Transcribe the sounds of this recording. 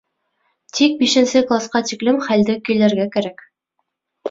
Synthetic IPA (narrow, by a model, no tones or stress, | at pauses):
t̪ʰik̚biʃɘ̆nsɘklˠasqɑt̪iklɘmχæld̪ɘkilæɾɡækæɾæk